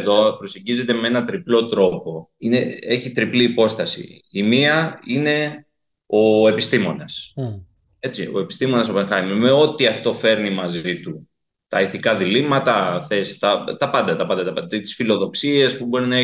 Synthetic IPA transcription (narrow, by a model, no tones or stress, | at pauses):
ðo̞pɾose̞ɲɟize̞t̪e̞mee̞nɐt̪ɾiplo̞t̪ɾo̞po̞inee̞çit̪ɾipliːpo̞st̪ɐsḭimiɐine̞ | o̞e̞pist̪imo̞nɐs | e̞t͡sio̞̰e̞pi̥st̪imo̞nɐso̞peŋxɐjmime̞o̞t̪iɐft̪o̞fe̞ɾnimɐzit̪u | t̪ɐiθikɐðilimɐt̪ɐθe̞st̪ɐt̪ɐpɐnd̪ɐt̪ɐpɐnd̪ɐt̪ɐpɐt̪it̪i̥sfilo̞ðo̞ksie̞spubo̞ɾinɐe